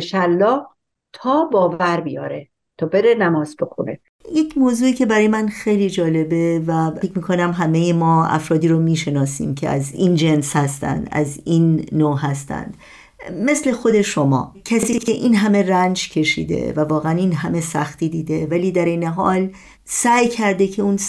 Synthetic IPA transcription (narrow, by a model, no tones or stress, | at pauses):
ʃælːɒːh | t̪ʰɒːbɒːvæɾbijɒːɾe | t̪ʰɒːbeɾenæmɒːzbexonḛ | jecʰmoːzuːiːcʰe̞bæɾɒːjemænxe̞jliːd͡ʒɒːle̞be̞væecʰmiːkʰo̞næmɦæmejemɒːæ̰fɾɒːd̪iːɾomiːʃe̞nɒːsḭːmcʰeæ̰ziːnd͡ʒe̞nshæst̪æ̰nd̪æ̰zinːoːɦæst̪æ̰nd̪̥ | me̞sle̞xo̞d̪e̞ʃo̞mɒ̰ːcʰæsiːkʰe̞ʔiːnɦæme̞rænd͡ʒcʰe̞ʃḭːd̪ḛvævɒːɣeæniːnɦæme̞sæxt̪iːd̪iːd̪e̞væliːd̪æɾe̞jne̞ɦɒ̰ːl | sæjcʰæɾd̪e̞cʰe̞un